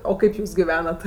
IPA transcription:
oː ˈkɐɪp ˈjuːs ɡʲɪˈʋʲæːnɐt

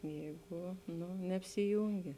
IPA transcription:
ˈjɛɪɡʊ ˈnʊ nʲɛɐpʲsʲɪˈjuːŋʲɡʲɪ

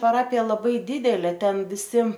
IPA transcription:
pɐˈrɑːpʲɪjɛ lˠɐˈbɐɪ ˈdʲɪdʲɛlʲeː ˈtʲɛn ʋʲɪˈsʲɪ

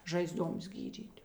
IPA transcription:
ˈʒɐɪzˌduɔms ˈɡʲiːdʲiːtʲ

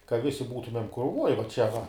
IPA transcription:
kɐ ˈʋʲɪsʲɪ ˈbuːtʊmʲɛm krʊˈʋoːj ʋɐ ˈt͡ʃʲɛ ʋɐ

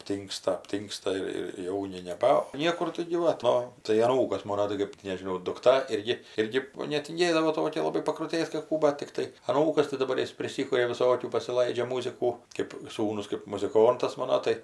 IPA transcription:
ɐpʲˈtʲiːŋkstɐ ɐpʲˈtʲiːŋkstɐ ɪr ɪr ˈjɛʊnʲɪ nʲɛˈbɐ ˈnʲiɛkʊr tɐɪɡʲɪ ˈʋɐ ˈtoː tɐɪ ɐˈnuːkɐs ˈmoːnoː tɐɪ ˈkɜp tʲɪ nʲɛʒʲɪˈnɐʊ dʊkˈtɐ ˈɪrʲɡʲɪ ˈɪrʲɡʲɪ nʲɛtʲɪŋʲˈɡʲeːdɐʋoː ˈtoːkʲɛ lˠɐˈbɐɪ pɐkrʊtʲeːt kɐt ˈkuː ˈbɐt tʲɪkˈtɐɪ ɐˈnuːkɐs tɐɪ dɐˈbɐr ˈjɪs pʲrʲɪˈsʲɪkʊrʲɛ ʋʲɪˈsoːkʲuː pɐsʲɪˈlˠɐɪd͡ʒʲɛ ˈmuːzʲɪkuː kʲeːp ˈsuːnʊs kɜp mʊzʲɪˈkoːntɐs ˈmɑːnoː tɐɪ

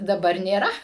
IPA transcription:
dɐˈbɐr nʲeːˈrɐ

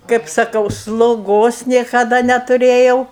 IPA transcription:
kɐɪp sɐˈkɐʊ slˠoːˈɡoːs nʲiɛkɐˈdɐ nʲɛtʊˈrʲeːjɛʊ

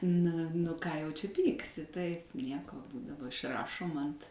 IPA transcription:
nɐ nʊ kɑː jɛʊ t͡ʃʲɛ ˈpʲiːksʲɪ tɐɪp ˈnʲiɛkoː dɐˈbɐ ɪʃˈrɑːʃoːm ɐnt

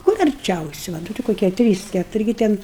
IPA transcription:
kʊr ɐrʲˈt͡ʃʲɛʊsʲɪ ʋɐ ˈtʲɪ koːˈkʲiɛ ˈtʲrʲiːs ˈkʲæːtʊrʲɪ ɡʲɪ ˈtʲɛn

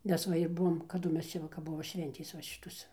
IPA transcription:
ˈmʲɛs ʋɐ ɪr ˈbʊʋoːm kɐˈdʊ ˈmʲɛs ˈt͡ʃʲɛ ˈʋɐ kɐp ˈbʊʋoː ˈʃʲʋʲɛnʲtʲeːs ˈʋɐ ˈʃʲɪtoːs

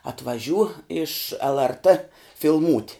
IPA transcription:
ɐtʋɐˈʒʲuː ɪʃ lˠrt fʲɪlˠˈmuːtʲ

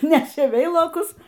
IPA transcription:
ˈnʲæːʃʲeː ˈʋʲɛɪlˠoːkʊs

